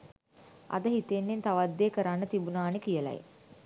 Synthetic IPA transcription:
a̰d̪əɦit̪enːent̪aʋad̪ːeːkəɾanːət̪ibunaːnekijəla̰jḛ

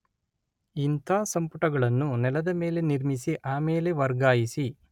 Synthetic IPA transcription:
int̪ʰaːsɐmpuʈɐɡɐɭɐnːunɛlɐd̪ɐme̞ːle̞niɾmisiʔaːme̞ːle̞ʋɐɾɡaːjisi

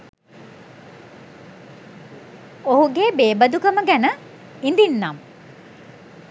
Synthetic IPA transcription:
oɦuɡeːbeːbəd̪ukəməɡænə | ind̪inːam

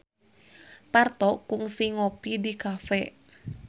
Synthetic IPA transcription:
part̪ɔkuŋsiŋɔpidikafɛ

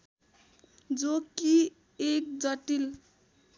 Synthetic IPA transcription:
d͡zoki | ek̚d͡zʌʈil

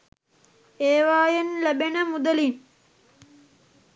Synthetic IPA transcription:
eːʋaːjenlæbenəmud̪əlin

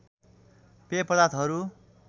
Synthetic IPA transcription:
pepʌd̪at̪ʰɦʌɾu

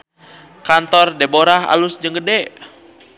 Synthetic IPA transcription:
kant̪ɔrdeboɾaɦa̰lusd͡ʒəŋɡədɛ

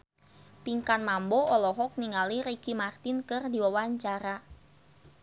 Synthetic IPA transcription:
piŋkanmambɔɔlɔɦɔk̚niŋaliɾeɡ̥imart̪inkɨrdiwawaɲt͡ʃaɾa

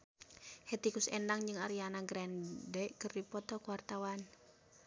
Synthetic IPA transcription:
hɛt̪ikusɛndaŋd͡ʒɨŋaɾianaɡɾɛndɛʔkɨrdipɔt̪ɔkuwart̪awan

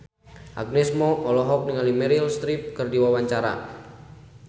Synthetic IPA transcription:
ʔa̰ɡ̚nɛsmɔɔlɔɦɔk̚niŋalimɛɾilst̪ɾip̚kɨrdiwawaɲt͡ʃaɾa̰

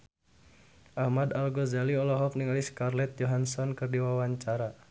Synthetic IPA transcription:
ʔahmad̪alɡɔzaliɔlɔɦɔfniŋaliskarlɛt̪̚jɔɦansɔnkɨrdiwawaɲt͡ʃaɾa

